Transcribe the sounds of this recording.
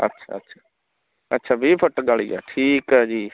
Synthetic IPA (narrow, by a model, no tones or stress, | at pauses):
ə̰tːʃʰa̰ːətːʃʰḁː | ətːʃʰaːbiːpʰəʈɡaːɭiːa̰ːʈʰiːkɦɛːd͡ʒiː